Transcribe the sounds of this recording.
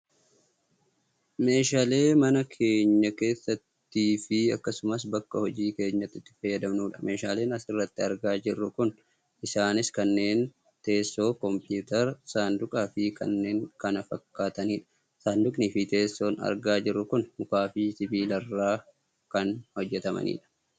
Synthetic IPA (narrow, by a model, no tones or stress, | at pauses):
me̞ːʃaːle̞ːmɐnɐkʰe̞ːɲːɐke̞ːsːɐt̪ːiːfɪɐkːɐsʊmɐs̬bɐkːɐhɔd͡ʒiːke̞ːɲːɐt̪ːɪt̪ːɪ̥fɐjːɐd̪ɐmnuːᶑɐ̥me̞ːʃaːle̞ːnɐsɪrːɐt̪ːɪɐɾɡaːd͡ʒɪrːʊkʊn | ʔɪsaːnɪskɐnːe̞ːn | t̪e̞ːsːo̞ːkɔmpjuːt̪ɐɾsaːnd̪ʊkʼaːfɪkɐ̰nːe̞ːŋkɐnɐfɐkːaːt̪ɐniːᶑɐ̥ | saːnd̪ʊkʼnifɪt̪e̞ːsːo̞ːnɐ̰ɾɡaːd͡ʒɪrːʊkʊnmʊkaːfiːt̪ɪbiːlɐrːaː | kɐnhɔd͡ʒːɛt̪ɐmɐ̰nḭːᶑɐ̥